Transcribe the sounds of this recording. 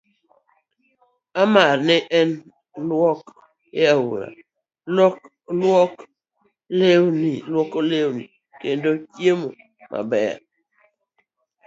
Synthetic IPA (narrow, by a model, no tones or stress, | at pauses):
amaɾnɪʔɛn | lwɔk | eawṵɾa̰ | lɔk | lwɔk | lewnilwɔkolewnḭ | kendokjemo | mʔa̰bɛa̰